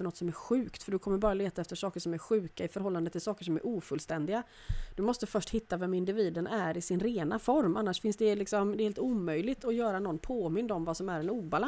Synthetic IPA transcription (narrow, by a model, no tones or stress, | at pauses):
ənɔt̪sɔmæɾɧʉ̟ːkt̪fœɖɵkʰɔmːəɾbɑːɾaleːt̪aɛft̪əʂɑːkəʂɔmæɾɧʉ̟ːkaɪfœɾɦɔlːand̪ət̪ʰɪlsɑːkəʂɔmæ̰ɾʔuːfɵlst̪ɛnd̪ɪɡa | d̪̥ɵmɔst̪əfœʂʈhɪt̪ːavɛmɪnd̪ɪviːd̪ənæɾɪsɪnɾeːnafɔɾmʔanːaʂfɪnsd̪ɛlɪksɔmd̪ɛhelt̪uːmœjlɪɡt̪ʰɔjœːɾanɔnːpʰoːmɪnd̪ɔmvasɔmæɾɛnuːbala